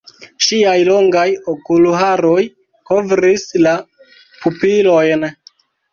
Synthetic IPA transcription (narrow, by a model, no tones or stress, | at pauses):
ʃiajlo̞ŋɡajokuluɦaɾo̞j | ko̞vɾisla | pupilo̞jn